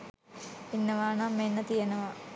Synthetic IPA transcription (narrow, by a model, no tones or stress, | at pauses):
inːɐʋaːɳɐmːenːɐt̪ijɐnɐʋɐ